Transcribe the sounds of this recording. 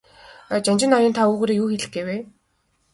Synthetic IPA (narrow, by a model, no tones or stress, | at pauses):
t͡ɕanʲt͡ɕɪ̆nɔjʲɪːnt̪ʰauːɣoːɾeːjuːxeɮɘ̆xɡeːweː